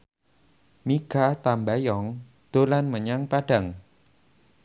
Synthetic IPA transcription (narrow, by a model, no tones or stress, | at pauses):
mikat̪ambajɔŋ | d̪̥o̤lanməɲaŋpaɖ̥a̤ŋ